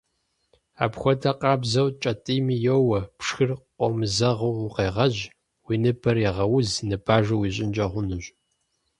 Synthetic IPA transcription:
a̰ːpxʷɔtʰɐqʼɑːbzɐwt͡ʃʼɐtʼiːmiːjowɐpʰʂxɨrqʷʼɔmɨzɐʁɐwʊqeːʁɐʑ | wiːnɨbʰɐrjɛʁɐwʊznɨbʰaːʒɐwiːɕ̬ʼɪnd͡ʒʼɐʁʷʊnɨɕ

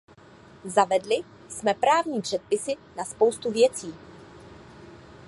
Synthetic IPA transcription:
zavɛdlɪ | smɛpɾaːvɲiːpr̥ɛt̪̚pɪsɪnaspo̞wst̪uvjɛt͡siː

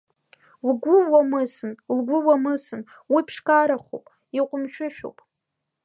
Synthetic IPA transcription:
lɡʷʊwamɨsɨnlɡʷʊwamɨsɨn | wipʰʂkʼaɾaχo̰pʼ | iqʷʼʊmʃᶣɪʃᶣo̰wpʼ

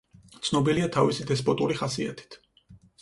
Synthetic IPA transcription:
t̪sʰnɔbiliat̪ʰavisid̪ɛspʼɔt̪ʼuɾiχasia̰t̪ʰi̥t̪ʰ

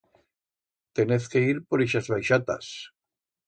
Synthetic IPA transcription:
t̪eneθkeiɾpo̞ɾiʃazβajʃat̪a̰s

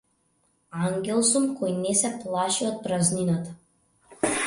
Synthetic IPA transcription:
aŋɡʲɛlˠsumkɔjnɛsɛplˠaʃiɔt̪̚pɾazninat̪ḁ

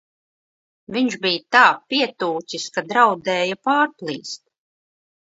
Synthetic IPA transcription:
viɲʒbijt̪aːpiɛt̪uːsiskad̪ɾawd̪ɛːjapaːɾplˠḭːst̪̚

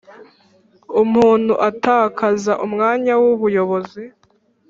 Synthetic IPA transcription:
umuːn̥huʔataːkʰazaʔumŋaːɲawuβujo̞βo̞zi

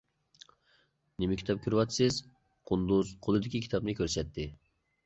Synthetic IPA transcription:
nɪmɪkʲi̥t̪ʰɑp̚kʲʰyɾwɑt̪sɨz | qʰʊnd̪uzqʰolˠɨd̪ɪkʲikʲʰi̥t̪ʰɑp̚nɨkʲʰøɾsɛt̪ʰːɪ

